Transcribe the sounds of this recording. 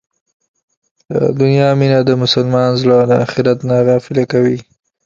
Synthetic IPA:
lə̰d̪ʊnjɑminad̪əmʊsalmɑnzlad̪əaxɪɾat̪nɑɾɑfɪlakawi

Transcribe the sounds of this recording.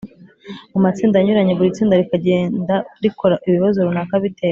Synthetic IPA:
umat͡siːndaɲuɾaɲe̞βuɾit͡siːndaɾikaɟe̞ːndaɾiko̞ɾaʔiβiβazoɾunakaβite̞ːɾa

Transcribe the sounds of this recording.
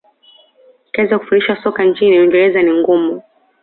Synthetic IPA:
kaɛzaku̥funiʃwasɔkaɲt͡ʃiniwɛŋɡɛlɛzaniŋɡɔmu

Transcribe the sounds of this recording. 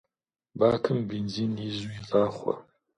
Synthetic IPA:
baːkʰɨmbinziːniːzuiɮaːχʷɔ̰

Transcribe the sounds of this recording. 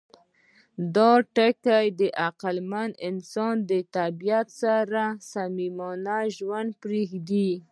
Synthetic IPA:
d̪ɑʈakajd̪əʔaqalmanɪnsɑnd̪ət̪abijat̪saɾasamimɑnaʒwand̪̚pɾexd̪i

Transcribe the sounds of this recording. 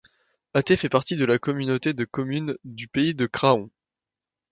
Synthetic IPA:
at̪efɛpaʁt̪id̪əlakɔmynot̪ed̪əkɔmynd̪ypeid̪əkχaɔ̃

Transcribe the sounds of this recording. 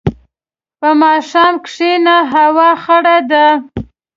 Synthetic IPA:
pəmɑʃɑmkʂenaɦawɑxaɽad̪a

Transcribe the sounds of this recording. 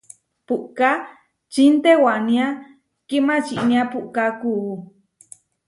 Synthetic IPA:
puʔka | t͡ʃint̪ewanĩa | kimat͡ʃiʔniapuʔkakuː

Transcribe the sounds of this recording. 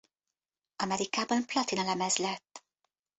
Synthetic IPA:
ɒmɛɾikaːbɒnplɒt̪inɒlɛmɛzlɛt̪ː

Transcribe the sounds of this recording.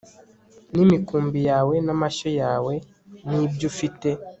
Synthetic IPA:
nimikuːmbijaːwe̞namaʃojaːwe̞ | niːbjufite̞

